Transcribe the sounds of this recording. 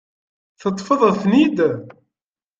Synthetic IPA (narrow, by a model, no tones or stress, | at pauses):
θət̪ˤːfəðˤæθnid̪